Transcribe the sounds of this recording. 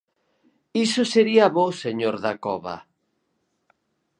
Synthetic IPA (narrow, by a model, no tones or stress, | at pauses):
isʊseɾiaβoseɲoɾðakɔ̰βɐ̰